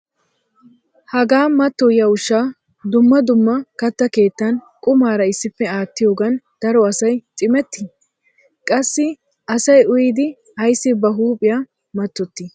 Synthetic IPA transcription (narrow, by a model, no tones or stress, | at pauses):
hɐɡaːmɐt̪ːɔjɐʊʃːaː | d̪ʊmːɐd̪ʊmːɐkɐt̪ːɐke̞ːt̪ːɐn | kʼʊmaːɾɐɪsːɪfːɛaːt̪ːɪjo̞ːɡɐnd̪̥ɐɾɔɐsɐjt͡sʼɪmɛt̪ːɪ | kʼɐsːɪ | ɐsɐjʊjɪd̪ɪ | hɐjsːɪbɐɦuːpʼɪja | mɐt̪ːɔt̪ːɪ